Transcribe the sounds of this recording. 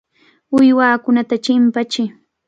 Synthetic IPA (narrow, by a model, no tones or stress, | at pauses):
ʊjwaːkʊnat̪at͡ʃɪmpat͡ʃɪ